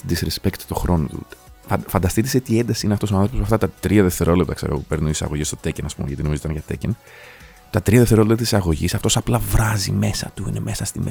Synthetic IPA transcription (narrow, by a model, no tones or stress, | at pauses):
d̪isɾespekt̪t̪o̞xɾo̞no̞̰t̪ṵfɐnd̪ɐst̪it̪iset̪iend̪ɐsiineɐft̪o̞soɐnθɾoposmɐft̪ɐt̪ɐt̪ɾiɐðeft̪e̞ɾolep̚t̪ɐkseɾo̰ope̞ɾnunisɐ̰ɣoʝist̪o̞t̪ecenɐspṵmeʝɐt̪ino̞mizit̪ɐnʝɐt̪ḛcen | t̪ɐt̪ɾiɐðeft̪eo̞lept̪ɐt̪isɐɣo̞ʝisɐft̪o̞sɐplɐvɾɐzḭme̞sɐ̰t̪uḭneme̞sɐst̪ime